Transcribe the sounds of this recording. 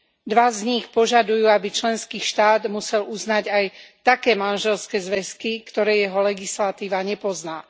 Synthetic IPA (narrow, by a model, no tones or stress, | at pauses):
d̪ʋazɲixpɔʒad̪ujuːabit͡ʃlɛnskiːʃt̪aːd̪musɛluznaɟajt̪akɛːmanʒɛlskɛːzʋɛskikt̪ɔɾɛːjɛɦɔlɛɡislat̪iːʋaɲɛpɔznaː